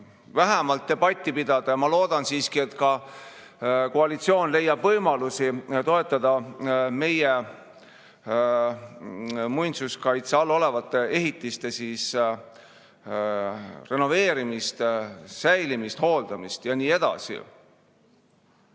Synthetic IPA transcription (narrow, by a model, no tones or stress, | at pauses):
væɦæmɑlt̪̚d̪e̞bɑt̪ʲːˑipid̪̥ɑd̪̥ɑjɑmɑlo̞ːd̪̥ɑnsiːskie̞t̪kɑ | ko̞ɑlit̪sio̞ːnle̞jːɑb̥vɤjmɑlusit̪o̞e̞t̪ːˑɑd̪̥ɑme̞je | mujnt̪suskɑjt̪seɑlːo̞levɑt̪ːe̞e̞ɦit̪ˑːist̪e̞siːs | re̞no̞ve̞ːɾimist̪sæjlimist̪ho̞ːld̪̥ɑmist̪jɑniːe̞d̪̥ɑ̰sḭ